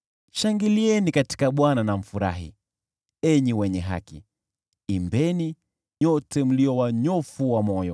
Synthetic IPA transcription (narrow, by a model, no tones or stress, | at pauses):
ʃaŋɡiliɛnikati̥kaɓwananam̩fuɾa̰ɦḭ | ɛɲiwɛɲɛɦa̰kḭː | mbɛni | ɲɔtɛm̩liɔwaɲɔfuwamɔjɔ